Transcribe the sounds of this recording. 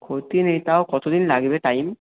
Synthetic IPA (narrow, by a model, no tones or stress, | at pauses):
kʰot̪inet̪aokɔt̪od̪inlaɡibeʈajm